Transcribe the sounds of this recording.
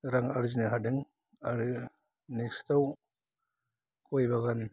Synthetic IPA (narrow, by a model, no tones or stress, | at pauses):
ɾaŋaɾzineɦadeŋ | aɾɯ | nekstaw | kʰojbaɣan